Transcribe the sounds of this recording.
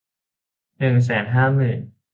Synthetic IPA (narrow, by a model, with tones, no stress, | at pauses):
nɯ˨˩ŋs̬ɛː˩˦nɦaː˥˩mɯː˨˩n